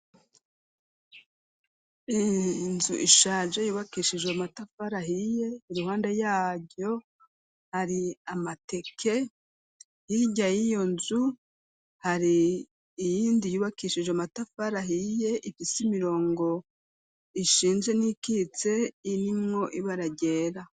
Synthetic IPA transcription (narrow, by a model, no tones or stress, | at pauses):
inzuʔiʃaːʒejuːβakiʃiʒwematafaɾaɦije̞iɾuhaːnde̞jaːbo̞ | haɾiamate̞kʰe̞ | hiɟajijo̞nzu | haɾiː | jiːndijuːβakiːʃiʒwmatafaɾaɦije̞ʔifisimiɾo̞ːŋɡo̞ | iʃiːnzwe̞nikit͡se̞iɾimŋo̞ʔiβaɾaɟe̞ːɾa